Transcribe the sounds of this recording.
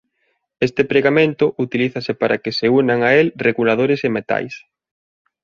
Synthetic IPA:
est̪epɾeɣamẽnt̪ʊʔut̪iliθasepaɾʔakeseunaŋaelreɣulaðoɾesemet̪a̰js

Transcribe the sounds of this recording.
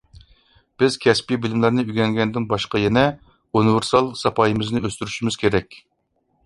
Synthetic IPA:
b̥ɪz̥kʲʰɛspʲibɪlmlæɾnɪyɡʲɛŋɡʲɛnd̪ɪnbɑʃqɑjɛnɛ | unɨveɾsɑlˠsɑpʰɑjɨmɪznɪøst̪yɾyʃymɪz̥kʲʰeɾɛkʲ

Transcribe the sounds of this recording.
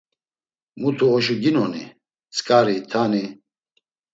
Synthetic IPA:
mut̪ʰuɔʃuɡinɔnḭ | t͡sʼkʼaɾit̪ʰani

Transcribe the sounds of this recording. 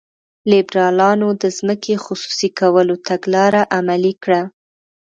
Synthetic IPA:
lɪbɾɑlɑnod̪əzməkʰexʊsu̥sikawəlot̪aɡlɑɾaʔamalikɽa

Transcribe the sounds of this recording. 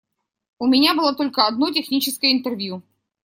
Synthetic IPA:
ʊmʲɪnʲabɨlˠat̪o̞lʲkəɐd̪not̬ʲɪxnʲit͡ɕɪskəjəɪnt̪ɨrvʲju

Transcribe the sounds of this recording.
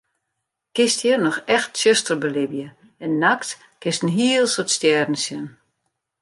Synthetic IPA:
kɪstjirnɔxɛxtsøstərbəlɪbjə | ɛnːakt | kɪstn̩ɦiəlˠsotstjɛːdn̩sjən

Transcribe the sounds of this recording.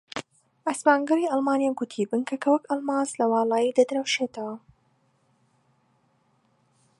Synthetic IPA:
ʔɐspaːŋɡɐɾiʔɑlˠmaːnijaɡʊt̪ʰiːbɨnkʰɐkʰɐwɐkɑlˠmaːzlɐwɑːlˠɑːjiːd̪ɐd̪ɾɐwʃeːt̪ʰɐwɐ

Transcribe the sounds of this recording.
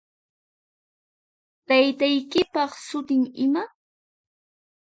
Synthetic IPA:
t̪ajt̪ajkɪpɑχsʊt̪ɪŋɪma

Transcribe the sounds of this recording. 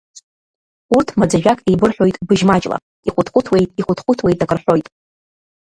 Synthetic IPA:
urtʰmad͡zaʒᶣakʼejbɨrħʷᶣo̞jtʼbɨʒmat͡ʃʼla̰ | iχʷʊtχʷʊtʰwe̞jtʼiχʷʊtʰχʷʊtʰwe̞jtʼakʼɨrħʷᶣo̞jtʼ

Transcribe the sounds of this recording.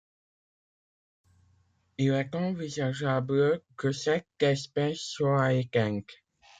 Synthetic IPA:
ilɛt̪ɑ̃vizaʒabləkəsɛkɛspɛsːwaaekɛ̃ŋk

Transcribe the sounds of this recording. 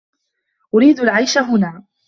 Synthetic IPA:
ʔʊɾiːd̪alʕajʃaɦʊnaː

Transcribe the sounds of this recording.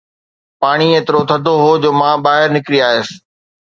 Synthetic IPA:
paːɽ̃ieːt̪ɪɾot̪ʰɐd̪ʱoɦoːd͡ʑoːmãːbaːɦɪɾnɪkɾiaːɦesɪ̥̆

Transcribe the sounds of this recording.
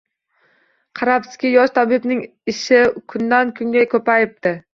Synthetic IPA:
qʰɑɾapsɪ̥kʲɪjɒʃt̪ʰabɪbnɪŋ | ɪʃɪkʲʰʊnd̪ankʰʊŋɡʲajkʲʰɵpajɪp̚t̪ɪ

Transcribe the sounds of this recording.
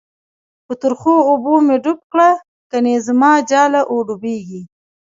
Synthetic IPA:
pət̪ʊɾxoːbomeɖʊp̚kɽa | kanezəmɑːd͡ʒɑlaʔoɖubeɡi

